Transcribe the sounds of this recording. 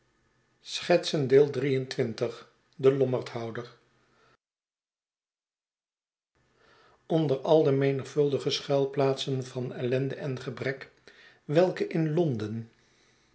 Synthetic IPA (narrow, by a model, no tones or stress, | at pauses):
sχɛtsəndeːlˠdrijəntʋɪntəχ | dəlɔməɹtɦɑwdəɹ | ɔndəɹɑlˠdəmejnəχfɵlˠdəχəsχɛlˠplaːtsənvɑnɛlɛndəɛnχəbrɛk | ʋɛlˠkəʔɪnlɔndən